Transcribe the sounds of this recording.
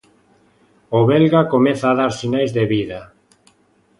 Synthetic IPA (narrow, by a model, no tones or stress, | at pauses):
oβelɣakomɛθaːðaɾsinajzðeβiða